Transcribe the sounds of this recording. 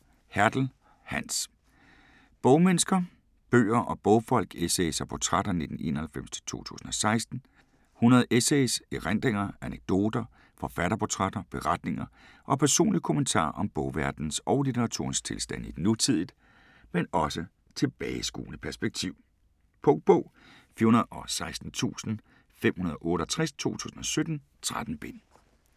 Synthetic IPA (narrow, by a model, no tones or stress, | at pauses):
hæɐd̥l̩ | hæn̰s | b̥ɔʊmensɡ̥ɐ | b̥ø̰ːɐʔɒ̽b̥ɔ̽ʊfɒ̽l̰ɡ̥esesɐpʰot͡sʰʁad̥ɐne̝d̥n̩e̝̰ːnɐhælfem̰st͡sʰe̥t͡sʰo̝̰ːt͡sʰṵːsn̩ɒ̽sɑ̈ɪsd̥n̩ | hunɐðˠeseseʁand̥ʁeŋɐæneɡ̥̚d̥o̝̰ːd̥ɐ | fɒ̽fæɾ̥ɐpʰot͡sʰʁɑd̥ɐb̥e̝ʁɑd̥ne̝ŋɐ | ʔɒ̽pʰæɐso̝̰ːnlikʰo̝mənt͡sʰɑ̰̈ːʔɒ̽mb̥ɔʊʋæɐd̥n̩sɒʊlit͡sʰeʁɑ̈t͡sʰo̝̰ɐnst͡sʰe̝lsd̥æn̰i̥nut͡sʰið̞̰ˠð̩ˠ | menɒ̽sə | t͡sʰe̝b̥ɛːɪsɡ̥ṵːnəpʰæɐsb̥eɡ̥̚t͡sʰiʊ̰ | pʰɔŋ̚b̥ɔː | fihunɐð̩ˠɒ̽sɑ̈ɪsd̥n̩t͡sʰṵːsn̩ | fem̰hunɐðˠɒʔɔ̽ːɾəɒt͡sʰʁɛst͡sʰo̝̰ːt͡sʰṵːsn̩ɒ̽sød̥n̩ | t͡sʰʁad̥n̩b̥e̝n